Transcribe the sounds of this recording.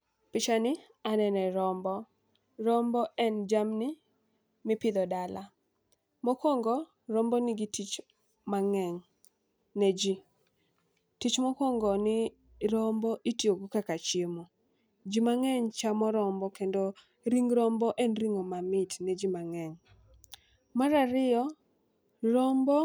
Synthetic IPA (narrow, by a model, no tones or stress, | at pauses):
pɪt͡ʃanɪ | anɛnɛɾɔmbɔ | ɾɔmbɔɛnd͡ʒamni | mɪpɪd̪ɔdala | mɔkɔŋɡɔ | ɾɔmbɔnɪɡitit͡ʃ | maŋɛŋ | ned͡ʒi | tit͡ʃmɔkɔŋɡɔnɪ | ɾɔmbɔʔitjoɡokakat͡ʃjemo | d͡ʒimaŋɛɲt͡ʃamɔɾɔmbɔkendo | ɾiŋɾɔmbɔʔɛnɾiŋomamɪtned͡ʒimaŋɛŋ | maɾaɾɪjɔ | ɾɔmbɔ